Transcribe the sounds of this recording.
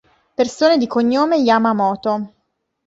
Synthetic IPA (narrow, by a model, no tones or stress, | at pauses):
persoːned̪ikoɲːoːmejaːmamɔːt̪o